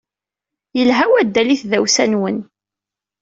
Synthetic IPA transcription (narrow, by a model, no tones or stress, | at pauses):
jəlɦæwæd̪ːæliθðæwsænwən